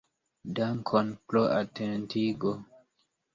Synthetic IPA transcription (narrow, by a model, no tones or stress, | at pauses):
daŋkʰonploatʰentiɡo